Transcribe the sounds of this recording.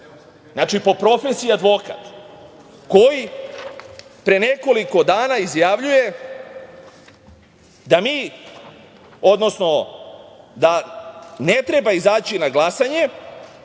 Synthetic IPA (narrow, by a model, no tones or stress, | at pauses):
znat͡ʃipo̞pɾo̞fesiad̪ʋo̞ka̰t̪ | ko̞ji | pɾene̞ko̞liko̞d̪aːnaizjaʋʎuje̞ | d̪amiː | o̞d̪no̞sno̞ | d̪ane̞t̪ɾe̞baizaːt͡ɕinaɡlˠasaɲe̞